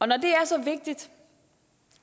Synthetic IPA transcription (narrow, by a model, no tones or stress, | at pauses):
ɒ̽nɒd̥e̝æɐsɒ̽ʋe̝ɡ̥̚d̥id̥